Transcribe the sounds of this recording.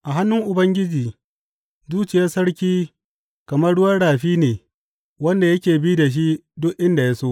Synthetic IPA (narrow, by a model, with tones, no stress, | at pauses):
ʔa˨ɦa˦nːʊ˦ŋʔʊ˨bɐ˦ŋɡʲɪ˦d͡ʒiː˨ | zuː˦t͡ʃɪ˨jaː˦sɐ˦ɽkʲiː˦ | kɐ˨mɐ˦ɽʊ˦wɐ˦ɽaː˨ɸiː˦neː˨ | wɐ˦nda˨jɐ˦kʲeː˨biː˦da˨ʃ̬i˦dʊ˦ʔʔɪ˦nda˨jaː˦soː˦ʔ